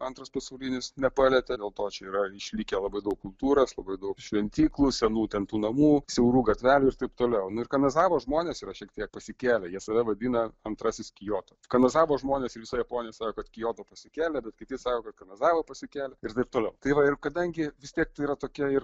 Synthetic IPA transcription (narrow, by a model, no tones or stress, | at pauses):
ɐnt̪ɾɐspɐsɐʊlʲinʲɪsnʲɛpɑːlʲɛt̪ʲɛd̪ʲeːlˠt̪oːt͡ʃʲɛiːɾɐɪʃʲlʲikʲɛlˠɐbɐɪd̪ɐʊk̚kʊlˠt̪uːɾɐslˠɐbɐɪd̪ɐʊkʃʲʋʲɛnʲt̪ʲiːklˠusʲɛnuːt̪ʲɛnt̪uːnɐmuːsʲɛʊɾuːɡɐt̪ʲʋʲæːlʲʊɪrt̪ɐɪpt̪oːlʲɛʊnʊɪɾkɐnɐzɑːʋoːʒmoːnʲesiːɾɐʃʲiɛk̚t̪ʲiɛk̚pɐsʲɪkʲæːlʲɛjiɛsɐʋʲɛʋɐd̪ʲiːnɐɐnt̪ɾɑːsʲɪskʲɪjoːt̪okɐnɐzɑːʋoːʒmoːnʲeːsɪʋʲɪsɐjɛpoːnʲɪjɛsɑːkoːkɐt̪kʲɪjoːt̪oːpɐsʲɪkʲæːlʲɛbʲɛt̪kʲɪt̪ʲɪsɑːkoːkɐt̪kɐnɐzɑːʋɐpɐsʲɪkʲæːlʲɛɪɾt̪ɐɪp̚t̪oːlʲɛʊt̪ɐɪʋɐɪrkɐd̪ɐŋʲɡʲɪʋʲɪst̪ʲiɛk̚t̪ɐɪiɾɐt̪oːkʲɛɪr